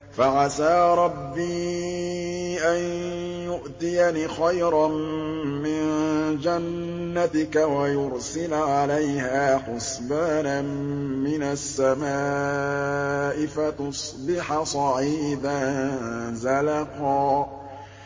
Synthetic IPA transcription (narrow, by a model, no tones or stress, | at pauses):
faʕasaːɾˤɑbːiː | ʔanjʊʔt̪ɪjanixajɾˤɑmmɪnd͡ʒanː | at̪ɪkawajʊɾsɪlʕalajhaːħʊsbaːnammɪnasːamaː | ʔɪfat̪ʊsˤbɪħasˤɑʕiːd̪a | zalɑqɑː